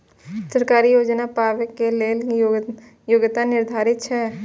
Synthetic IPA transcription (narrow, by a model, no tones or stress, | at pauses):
səɾkaːɾijoːd͡ʒnapaːʋəkːeleː | joːɡt̪anɪɾd̪ʱaːɾɪt̪ʃʰɛː